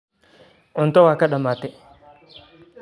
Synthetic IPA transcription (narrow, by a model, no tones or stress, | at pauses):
ʊnt̪ɔwaːkaɗamat̪ɛ